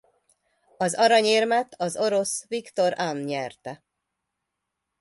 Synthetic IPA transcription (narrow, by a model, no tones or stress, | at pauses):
ɒzɒɾɒɲeːrmɛt̪ʰɒzo̞ɾo̞svikt̪o̞ɾanɲɛrt̪ɛ